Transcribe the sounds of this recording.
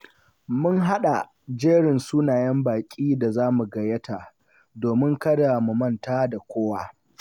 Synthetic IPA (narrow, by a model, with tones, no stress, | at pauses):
mʊ˦ŋɦa˦ɗa˨ | d͡ʒeː˦ɽɪ˨nsuː˦naː˨jɐ˦mbaː˨kʲʼiː˦da˨zaː˦mu˨ɡɐ˨jɐ˦ta˨ʔ | doː˨mɪ˦ŋkɐ˦da˨mu˨mɐ˦˨ntaː˦da˨kʷoː˦waː˦